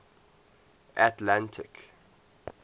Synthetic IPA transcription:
ʔatlãntʰɪk

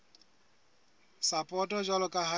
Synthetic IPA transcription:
sapʼɔtʼɔd͡ʒalʊkʼaɦa

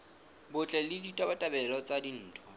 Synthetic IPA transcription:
bʊt͡ɬʼɛlɪditʼabatʼabɛlɔt͡sʼadin̩ːtʰwa

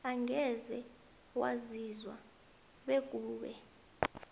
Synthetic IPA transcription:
aŋɛzɛ | wa̰zizwa̰ | ɓeɡ̬ʼuːɓɛ̰

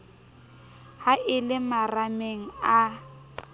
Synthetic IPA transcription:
haʔɪlɪmarameŋ̩a

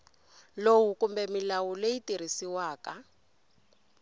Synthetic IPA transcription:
lowukumbɛmilawulejitiɾ̤isiwaːka

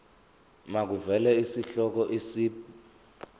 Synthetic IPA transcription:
mak̬uvɛlɛisiɬɔk̬ɔʔisiː

